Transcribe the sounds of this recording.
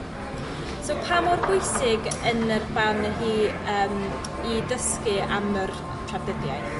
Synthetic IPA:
sowpʰamɔrhʊjsɪɡənərb̥anəɦiːəːm | idəskɪamər | tʰravdɪdjaj

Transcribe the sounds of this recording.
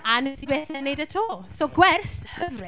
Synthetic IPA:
anənsibeːθɛnejdatʰoːlˠsoɡwɛrshəvri

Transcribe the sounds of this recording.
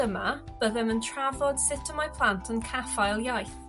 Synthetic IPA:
əməb̥əðə̃mə̃ntʰɹ̥avɔd̥sɪtʰəmajpʰl̥ãntʰə̃nkʰafaɪlˠjajθ

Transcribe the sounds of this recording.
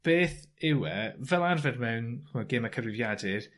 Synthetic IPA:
b̥eːθɪwɛvɛlˠarvɛdmɛwnχɔɡɪmakʰəvɪvjadɪr

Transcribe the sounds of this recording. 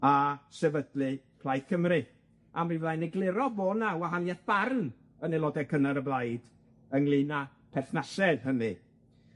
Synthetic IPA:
asɛvədlɨ | pʰlˠajθkʰəmrɨ | amivlˠajnɛɡlˠɪɾɔboːnawaɦanjaθb̥arn | ənɛlˠɔdɛkʰənaɾəblˠajd̥ | əŋlˠɪna | pʰɛθnasɛðɦənɨ

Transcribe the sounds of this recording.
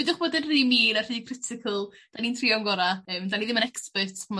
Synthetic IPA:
ɪdʊχb̥oːdənriːmiːnarriːkʰrɪtʰɪkʰəlˠd̥aniːntʰriɔŋɡɔɾaəːmdaniðɪmənɛkspətm

